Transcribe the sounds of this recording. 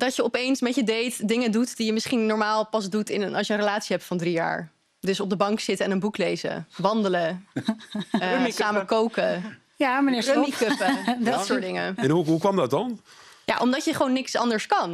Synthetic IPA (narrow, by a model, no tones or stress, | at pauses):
dɑtjəɔpejnsmɛtjədejtdɪŋədutdijəmɪsχinːɔɹmaːlˠpɑzdutɪnənɑ̰lˠsjənrəlaːtsiɦɛp̚tfɑndrija̰ːɹ | dɵsɔb̚dəbɑŋksɪtəɛnənbuklejzə̰ʋɑndələ | msaːməkowkə | jamənɪrømikøpədttsʊːɹdɪŋə̰ɛnɦuɦukʋɑmdɑt̚ɑnja̰ʔɔmdɑtjəχʋownːɪksɑ̰ndəɹskɑn